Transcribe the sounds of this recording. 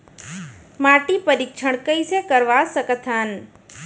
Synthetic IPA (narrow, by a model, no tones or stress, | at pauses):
maʈipəɾikʃʰəɳ̃kəjsekəɾʋasəkət̪ʰan